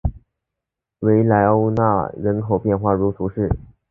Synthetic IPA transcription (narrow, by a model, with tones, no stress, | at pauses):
we˧˥ɪla˧˥ɪo˥ʊna̰˥˩ɻə˧˥nkʰo˨˩ʊpjɛ˥˧nxwa˥˩ɻu˧˥t͡s̪ʰu˧˥ʂɻ̩˥˩